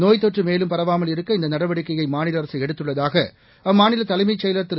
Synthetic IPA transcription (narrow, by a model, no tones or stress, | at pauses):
noːjt̪ɔʈrɯmeːlɯmpɐɾɐʋaːmɐlɪɾɯkːɐɪnd̪ɐnɐɽɐʋɐɽɪkːɐjɐɪmaːnɪlɐɾɐsɐɛɽɯt̪ːɯɭːɐðaːɣɐ | ɐmaːnɪlɐt̪ɐlɐɪmɐɪt͡ʃːɛjlɐt̪ːɪ